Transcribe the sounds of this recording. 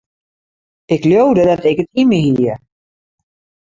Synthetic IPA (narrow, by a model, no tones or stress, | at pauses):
ɪkljowdədɔtɛkətimiɦiə